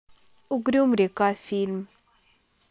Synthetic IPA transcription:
uɡɾiumɾekafilm

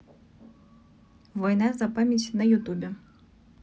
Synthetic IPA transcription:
vɔjnazapamʲetʲnɐjut̪ubʲɛ

